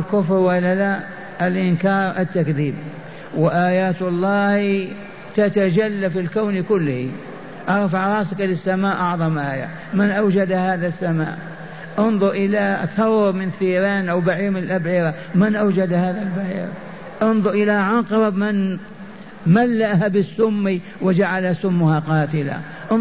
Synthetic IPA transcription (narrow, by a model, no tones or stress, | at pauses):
lkʊfɾwalːala | ʔalʔɪnkɑːɾˤʔat̪ːakðiːb | wɪʔaːjaːt̪ɑlˤːɑːh | t̪at̪ad͡ʒalːafilkawnkʊlːhi | ʔɑɾfʕɑɾˤɑːsɪklɪsːamaːʔɑʕðˤɑmʔaːja̰ | mɪnʔawd͡ʒad̪ahaːðasːama̰ːʔ | ʔʊnðˤʊɾʔɪlaθɑwɾmɪnθiːɾaːnʔawbaʕiːɾmɪnɪlʔabʕɪɾa | mɪnʔawd͡ʒad̪haːðalbaʕɪ̰ɾ | ʔɑnðˤʊɾʔɪlaʕɑqɑɾamɪn | malːaʔhabɪsːʊmːi | wɪd͡ʒaʕalasʊmːʊhaqɑːt̪ɪla̰ | ʔ